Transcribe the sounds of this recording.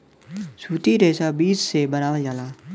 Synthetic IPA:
suːt̪iːɾeːsaːbiːssebənaːʋad͡ʒaːlaː

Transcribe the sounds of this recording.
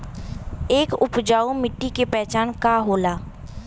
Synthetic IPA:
eːkʊpd͡ʒaːumɪʈːikepɛɦt͡ʃaːnkaɦoːlaː

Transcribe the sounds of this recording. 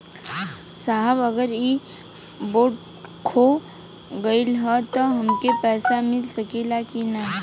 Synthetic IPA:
saɦbəɡəɾi | boːʈ | kʰo | ɡəɪlɦət̪oɦɐmkepɛːsamɪlsəkelakina

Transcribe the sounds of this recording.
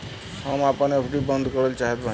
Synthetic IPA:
həmapənəpʰɾibənd̪ʱkəɾəlt͡ʃaɦɛt̪bʱa

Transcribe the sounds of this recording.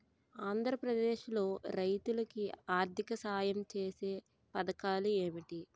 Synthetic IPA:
aːnd̪ʱɾɐpɾɐd̪eːʃlo̞ːɾɐjt̪ulɐkiaːɾt̪ʰikɐsaːjɐmt͡ʃe̞ːse̞ː | pɐd̪ɐkaːlue̞ːmiʈi

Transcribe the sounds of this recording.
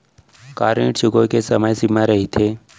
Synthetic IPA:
kaːɾĩʈt͡ʃuɡokesəməjsimãɾəɦit̪ʰeː

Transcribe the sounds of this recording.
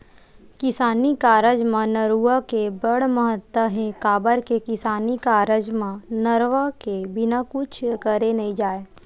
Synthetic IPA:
kɪsaːnikaːɾəd͡ʒmãnəɾuəkebəɽməɦət̪ːəɦẽkaːbəɾkekɪsaːnikaːɾəd͡ʒmãnəɾʋakebɪnakʊt͡ʃʰkəɾenəĩd͡ʒaːe

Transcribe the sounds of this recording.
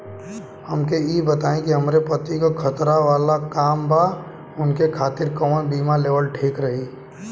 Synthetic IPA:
hɐmkeiːbɐt̪aːẽkiɦɐmɾepɐt̪ikokʰɐt̪ɾaʋaːlakaːmba | ʊnkekʰaːt̪ɪɾkɔːnbiːmaleːʋəlʈʰiːkɾɐɦiː

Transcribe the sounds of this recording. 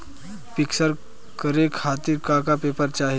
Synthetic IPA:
piksəɾ | kəɾekʰhat̪iːɾkakapepəɾt͡ɕaɦi

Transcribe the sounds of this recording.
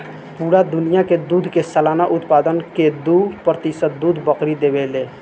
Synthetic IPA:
puːɾad̪ʊnijaked̪uːd̪ʱkesəlaːnaʔʊt̪paːd̪ənked̪uːpɾət̪ɪsət̪̚d̪uːd̪ʱbəqɾid̪ebeleː

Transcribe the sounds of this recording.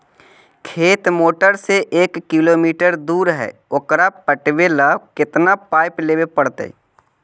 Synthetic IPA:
kʰeːt̪moːʈəɾseʔːkːɪloːmiːʈəɾd̪uːɾɦɛ̰ːʊkɾapəʈʋeːlakɪt̪napaːɪpleːwepəɽt̪ḛ

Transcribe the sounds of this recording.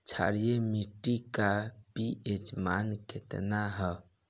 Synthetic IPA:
t͡ʃʰa̰ɾijemiʈikapiʔed͡ʒmankʰet̪naɦə

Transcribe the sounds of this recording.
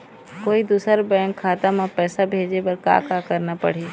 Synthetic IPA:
koːid̪uːsəɾbɛ̃ːŋkʰːaːt̪amãpɛːsabʱeːd͡ʒepɐɾka̰ːkakɐɾnapɐ̰ɽ̤iː

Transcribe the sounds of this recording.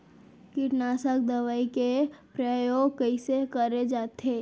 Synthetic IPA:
kɪʈnaːsəkd̪əʋaːikepɾəjoːɡkəisekəɾed͡ʒaːt̪eː

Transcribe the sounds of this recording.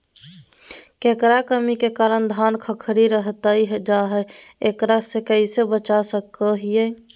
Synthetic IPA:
kekɾakəmikekaɾənd̪ʱankʰəkʰɾiɾəɦt̪əiɦd͡ʒaɦɛekɾasekəɪsebət͡ʃasəkəɦije

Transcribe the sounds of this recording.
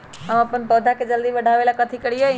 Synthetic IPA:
ãpənpəːd̪ʱaked͡ʒəld̪iʋɐɖʱaʋelakət̪ʰikəɽiɦo

